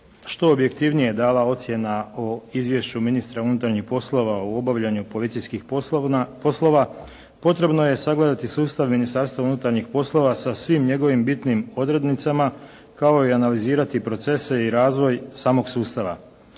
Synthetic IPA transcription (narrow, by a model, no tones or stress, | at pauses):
ʃt̪o̞ːbje̞kt̪iʋnijeed̪aːlao̞t̪sje̞naoizʋje̞ʃt͡ɕuminist̪ɾaunut̪aɾɲixpo̞slˠo̞ʋauo̞baʋʎaɲupo̞lit̪sijskix | po̞slˠo̞ʋa | po̞t̪ɾe̞bno̞je̞saɡled̪at̪isuːst̪aʋminist̪aɾst̪ʋaunut̪aɾɲixpo̞slˠo̞ʋasasʋimɲe̞ɡo̞ʋimbit̪nimo̞d̪ɾe̞d̪nit̪sama | kao̞ianaliziːɾat̪ipɾo̞t̪se̞se̞iɾaːzʋo̞jsaːmo̞ɡsuːst̪aʋa̰